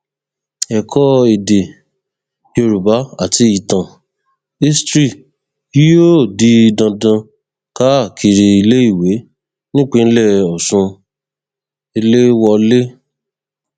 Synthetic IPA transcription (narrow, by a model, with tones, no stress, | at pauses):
ɛ˨kʰɔ˦e˨de˨ | jo˧ɾu˨ba˨˦a˦˨ti˧i˨tã˨ | i˦stɾi˦˨ | i˦jo˦˨di˦˧dã˧dã˧ | ka˦˨kʰi˧ɾi˧i˧le˦i˦˨we˨˦ | nĩ˦k͡pẽ˦˧˦lɛ˦˨ɔ˨sũ˧ | i˧le˦wɔ˧le˦